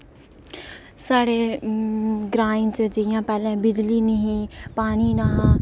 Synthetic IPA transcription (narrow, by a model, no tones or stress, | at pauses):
saːɽeː | ɡɾaːĩt͡ʃəd͡ʒɪjãːpɛːlẽːbɪd͡ʒliːniɦĩːpaːniːnaɦã